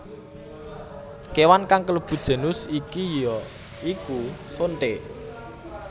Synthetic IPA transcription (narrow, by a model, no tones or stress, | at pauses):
kewankaŋkələb̥ṳd̥ʒ̥ə̤nʊsikijɔ | ikusonʈ̪e